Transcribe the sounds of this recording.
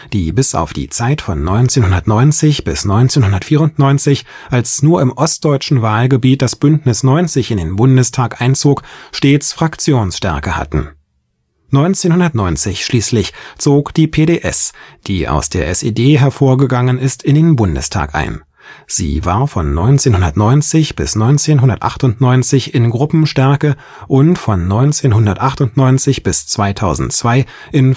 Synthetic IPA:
d̥iːbɪsʔa̰ʊfd̥ḭːt͡saɪtfɔnːɔʏnt͡seːnhʊndɐtnɔʏnt͡sɪçb̥ɪsnɔʏnt͡seːnhʊndɐtfiːʁʊntnɔʏnt͡sɪç | ʔalsnuːɐɪmʔɔst̚d̥ɔʏt͡ʃn̩vaːlɡəbiːt̚d̥asb̥ʏntnɪsnɔʏnt͡sɪçɪndeːnbʊndəstʰaːkʔaɪnt͡soːkʃteːt͡sfʁ̥akt͡sjoːnsʃtɛɐkəha̰tn̩ | nɔʏnt͡seːnhʊndɐtnɔʏnt͡sɪçʃliːslɪçt͡soːkd̥iːpʰeːɾeːʔɛ̰sd̥iːʔa̰ʊsd̥eːɐʔɛsḛːdeːɦɛɐfoːɐɡəɡaŋənɪstɪndeːnbʊndə̰stʰa̰ːkʔa̰ɪn | z̥ḭːva̰ːɐfɔnːɔ̰ʏnt͡seːnhʊndɐtnɔʏnt͡sɪçb̥ɪ̰snɔʏnt͡seːnɦʊndɐtʔa̰χtʊntnɔʏnt͡sɪçɪnɡʁʊpm̩ʃtɛɐkə | ʔʊntfɔnːɔʏnt͡seːnɦʊndɐtʔaχtʊntnɔʏnt͡sɪçb̥ɪst͡sv̥aɪtʰaʊzn̩tt͡sv̥aɪ | ʔɪn

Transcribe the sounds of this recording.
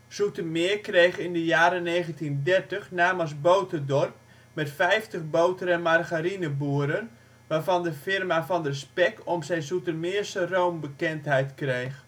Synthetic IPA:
sutəmɪːkrejxɪndəjaːɾəneːɣəntindɛrtəχnaːməs̬bowtədɔrp̚ | mɛtfɛjftəχbowtəɾəmarɣaɾinəbuəɾən | ʋaːrvɑndəfɪrmafɑndrəspɛk̚ɔmsɛjnsutəmɪəsəroːmbəkɛntɦɛjtkrejx

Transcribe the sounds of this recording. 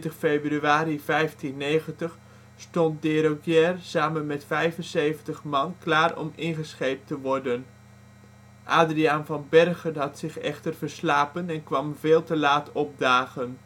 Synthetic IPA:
təχfejbryaːɾivɛjftinːejχəntəχ | stɔnt̚dɪːɾoɡjɛrsaːmənmɛtfɛjvənsejvəntəχmɑnklaːrɔ̰mɪnχəsχejp̚təʋɔɹdən | ʔaːdriɑnvɑnbɛrχənɦɑtsɪχɛ̰χtəɹvəɹslaːpənɛnkʋɑmvɪːlˠtəlaːtɔb̚daːχən

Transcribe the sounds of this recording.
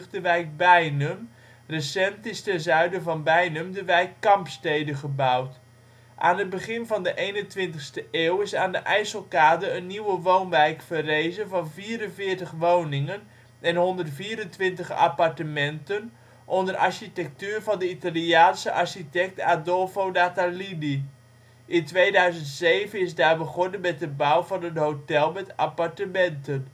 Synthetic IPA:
χdəʋɛjk̚bɛjnəm | rəsɛntɪstɛnzœɥdəvɑnbɛjnəmdəʋɛjkːɑmpstejdəχəbawt | ʔa̰ːnət̚bəχɪnvɑndəʔejnəntʋɪntəχstəʔeːwɪsaːndəʔɛjsəlˠkaːdərənːiwəʋownʋɛjkfərejzəvɑnviːɾənvɪːtəχʋownɪŋən | ɛnɦɔndərtfiːɾəntʋɪntəχa̰partəmɛntən | ʔɔndərʔa̰ɹɕitɛk̚tyːrvɑndəitaliaːnsəʔaɹʃitɛk̚tadɔlˠfowdatalidi | ʔɪntʋejdœɥzəntsejvənɪsdaːɹbəχɔnənbɛdəbawvɑnətɦowtɛlˠmɛta̰paɹtəmɛntən

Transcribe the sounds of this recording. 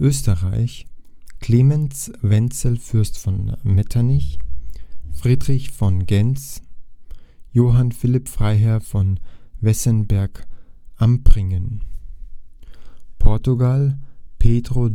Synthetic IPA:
ʔøːstəʁaɪç | kʰl̥eːmɛnsvɛnt͡səlfʏɐstfɔnmɛtʰanɪç | fʁ̥iːdʁɪçfɔnɡɛnt͡s | joːɦanfɪlɪpfʁ̥aɪɦɛɐfɔnvɛsənbɛɐkʔampʁ̥ɪŋən | pʰɔɐtuɡalpʰeːdʁo

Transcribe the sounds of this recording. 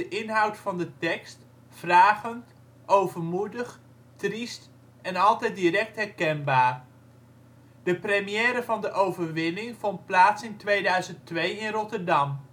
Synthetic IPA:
əʔɪnɦɑwtfɑndətɛkst | fraːχənt | ʔowvəɹmudəχ | trist | ɛnɑlˠtɛjdirɛk̚tɦɛɹkɛnbaːɹ | dəprəmijɛːɾəvɑndəʔowvəɹʋɪnɪŋv̥ɔnt̚plaːtsɪntʋejdœɥzəntʋejɪnrɔtəɹdɑm

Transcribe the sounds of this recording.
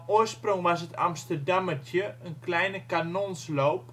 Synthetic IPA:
oərsproŋʋasɦəta̰mstərdamətʰjəənklɛjnəkanonsloːp̚

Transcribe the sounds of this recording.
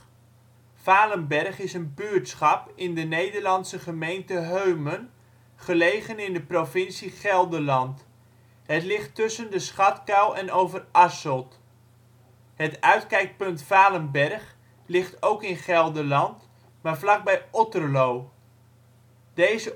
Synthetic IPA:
faːləmbɛrχɪsənbyːɹtsχɑpɪndənejdərlɑnsəχəmejntəɦøɥmən | χəlejχənɪndəprovɪnsiχɛlˠdərlɑnt | ɦətlɪχtːɵsəndəsχɑtkawʔɛnowvərɑsəlˠt | ɦətœɥtkɛjk̚pɵntfaːləmbɛrχ | lɪχtowkɪnχɛlˠdəlɑnt | maːrvlɑɡ̚bɛjɔtərlow | d̥ejzə

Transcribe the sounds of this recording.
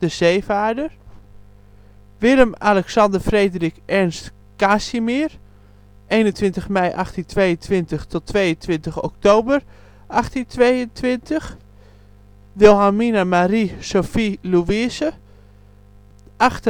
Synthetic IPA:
dəzeːfaːdər | ʋɪləmalɛksɑndərfreːdrikʔɛɹnst | kasimir | eːnəntʋɪntəxmɛjʔaxtəntʰʋejəntʋɪntəxtʰɔtʰːʋejəntʋɪntəxɔ̰k̚towbər | ʔaxtintʋejəntʰʋɪntəx | dɪlˠɦaminamarisofiluʋisə | ʔaxtə

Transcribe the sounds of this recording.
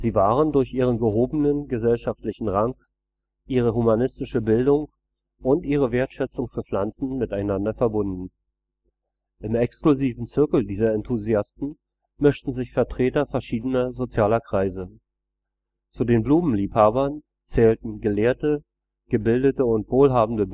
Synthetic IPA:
z̥iːvaːʁəndʊɐçʔiːʁ̞ənɡəɦoːbənənɡəzɛlʃaftlɪçn̩ʁaŋk | ʔiːʁ̞əɦumanɪstɪʃəbɪldʊŋ | ʔʊntʔiːʁ̞əveːɐtʃɛt͡sʊŋfyːɐflant͡sn̩mɪtaɪnandɐfɛɐbʊndn̩ | ʔɪmɛkskluziːvn̩t͡sʏɐkl̩diːzɐɛntʰuziastn̩ | mʏʃtn̩zɪçfɛɐtʁ̥eːtɐfɛɐʃiːdənɐzot͡sjaːlɐkʁ̥aɪzə | t͡sudeːnbluːmm̩liːphaːbɐn | t͡sɛːltn̩ɡəleːɐtə | ɡ̥əbɪldətəʊntv̥oːlɦaːbm̩də

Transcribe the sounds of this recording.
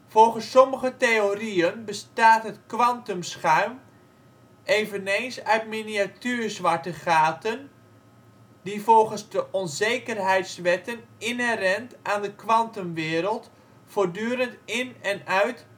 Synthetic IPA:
fɔlˠχənsːɔməɣəteoriənbəstaːtɦətkʋɑntɔmsχœɥm | ʔeːvəneːnsœɥtminiatyːɹzʋaɹtəχaːtən | divɔlˠχənzdəʔɔnzejkərɦɛjtsʋɛtənɪnɦɛrɛntʔaːndəkʋɑntɔmʋɪːɾəlˠt | foːɹdyːɾəntɪnɛnœɥt

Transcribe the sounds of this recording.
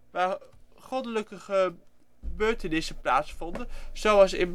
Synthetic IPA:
ʋaː | χɔdələkəχə | bøːɹtənɪsəplaːtsfɔndənz̥owɑsɪn

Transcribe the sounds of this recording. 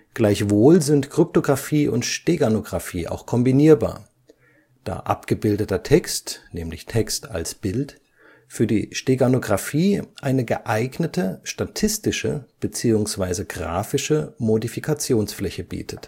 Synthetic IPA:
ɡ̥laɪçv̥oːlzɪntkʁ̥ʏp̚toɡʁafiːʔʊ̰ntʃteɡanoɡʁafiːʔa̰ʊxkʰɔmbiniːɐba̰ːɐ | d̥a̰ːʔa̰pɡ̥əbɪldətɐtʰɛkstnɛːmlɪçtʰɛksta̰lsb̥ɪlt | fyːɐdḭːʃteɡanoɡʁafiːʔaɪnəɡəʔaɪɡnətʰəʃtatʰɪstɪʃə̰b̥ət͡siːʊŋsv̥aɪzəɡʁa̰ːfɪʃəmodifikʰat͡sjoːnsflɛçəbḭːtʰət

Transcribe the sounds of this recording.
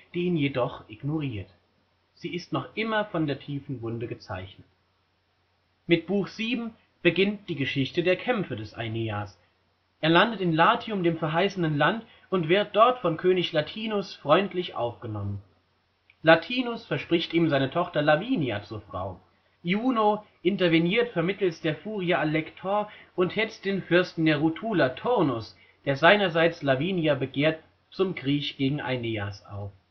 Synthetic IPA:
d̥iːiːnjedɔχʔɪɡnoʁiːɐt | z̥iːɪstnɔχʔɪmɐfɔndeːɐtʰiːfn̩vʊndəɡət͡sa̰ɪçnət | mɪt̚b̥uːxz̥iːbm̩ | b̥əɡɪnt̚d̥iːɡəʃɪçtədeːɐkʰɛmfədɛsa̰ɪniaːs | ʔeːɐlandətɪnlaːtʰiʊmdeːmfɛɐɦaɪsənənlant | ʊntv̥ɪɐt̚d̥ɔɐtfɔnkʰøːnɪçlatʰiːnʊsfʁ̥ɔʏntlɪçʔa̰ʊfɡ̥ənɔmən | latʰiːnʊsfɛɐʃpʁ̥ɪçtiːmzaɪnətʰɔχtɐlaviːnja̰t͡suːɐfʁ̥a̰ʊ | juːno | ʔɪntɐvɛniːɐtfɛɐmɪtl̩sd̥eːɐfuːʁiaʔalɛktʰɔɐʔʊnthɛt͡sd̥eːnfʏɐstn̩deːɐʁutʰuːlatʰɔʁnʊs | d̥eːɐzaɪnɐzaɪt͡slaviːnjabəɡeːɐt | t͡sʊmɡʁiːçɡ̥eːɡŋ̩ʔa̰ɪneːa̰sʔa̰ʊf

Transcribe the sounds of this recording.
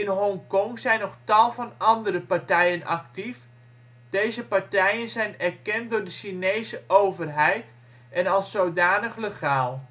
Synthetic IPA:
ɪnɦɔŋkɔŋzɛjnːɔχtɑlˠvɑnɑndəɾəpɑɹtɛjənɑ̰ktif | d̥ejzəpɑɹtɛjənzɛjnɛɹkɛnt̚dʊːɹdəʃinejzəʔowvərɦɛjt | ʔɛnɑlˠsːowdaːnəχləχaːlˠ

